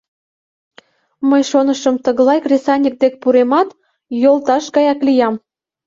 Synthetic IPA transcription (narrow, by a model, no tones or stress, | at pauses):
məjʃonəʃəmt̪əɣlɑjkrʲesɑnʲik̚d̪ek̚puɾemɑt̪ | jolt̪ɑʃɡɑjɑklijɑm